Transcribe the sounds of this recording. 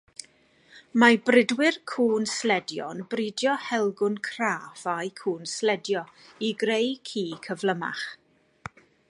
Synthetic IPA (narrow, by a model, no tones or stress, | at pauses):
mabrɪdwɪrkʰuːnslɛdjɔ̰nbridjɔhɛlˠɡʊnkʰraːfajkʰuːnslɛdjɔ | iɡrejkʰiːkʰəvləma̰χ